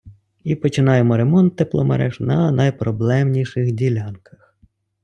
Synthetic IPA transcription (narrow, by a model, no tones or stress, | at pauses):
ipɔt͡ʃɪnɑjemɔɾemɔnt̪ːeplˠɔmḛɾɛʒnɐnɐjpɾɔblˠɛmnʲiʃɪxdʲilʲɑnkɐx